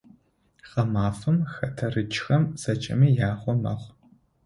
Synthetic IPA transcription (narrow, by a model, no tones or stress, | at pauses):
χɐmaːfɨmxɐtʰɐrɨt͡ʃxɐmz̥ɐt͡ʃʼɪ̰mijaːχʷɔmɐ̰χʷ